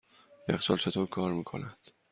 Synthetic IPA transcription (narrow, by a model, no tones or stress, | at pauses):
jexsɒ̰lt͡ʃʰe̞t̪ʰoːɾkʰɒːɾmiːkʰo̰næd̪̥